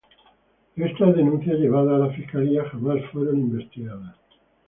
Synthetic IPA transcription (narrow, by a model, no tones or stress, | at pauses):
est̪azðe̞nũn̟θjaʎe̞β̞aðaːlafiskaliaxamasfweɾonimbe̞st̪iɣaðas